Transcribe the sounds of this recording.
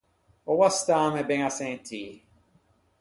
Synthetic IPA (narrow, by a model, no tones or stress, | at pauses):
owast̪aːmebeŋasẽnt̪ʰiː